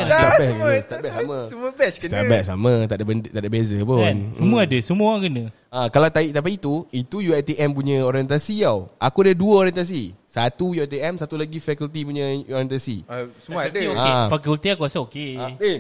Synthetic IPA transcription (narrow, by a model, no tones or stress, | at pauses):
t̪abɛst̪abɛsamãsəmuəpɛt͡ʃkst̪abɛʔsa̰mə̃t̪aʔdabəndt̪aʔdabezəpʊnsəmuəadəsəmũəoaŋkənə | akalawt̪aiʔt̪ap̬iːt̪uit̪ujuɛt̪iʔɛmp̬uɲə̃oɾiɛnt̪asiawʔakuadəduəoɾiɛnt̪as̬isat̪ujuɛt̪iɛmsat̪ulaɡifɛkult̪ipuɲəɔɾiɛnt̪asḭsəmuadəafakult̪iakuasaokeae